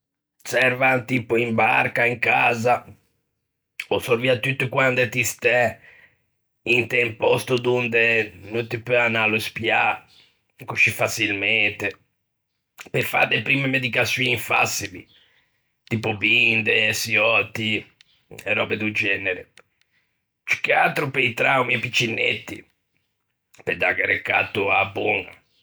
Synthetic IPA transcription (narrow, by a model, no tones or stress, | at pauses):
sɛɾvant̪iːpuimba̰ɾkaiŋkaːza | osoɾviat̪jut̪ːukwand̪et̪ist̪ɛ | int̪ɛmpɔst̪ud̪und̪enunt̪ipøanaluspja | kut͡ʃːifasilmɛnt̪e | pefa̰d̪epɾimemed̪ikasːjunifa̰silḭ | t̪ipʊbind̪esiɔt̪ːi | ɛɾɔbed̪ud͡ʒɛneɾe | t͡ʃu̥kːeat̪ɾʊpejt̪ɾawmiɛpit͡ʃːinːet̪ːḭ | ped̪akeɾekːa̰t̪ːuabɔŋa̰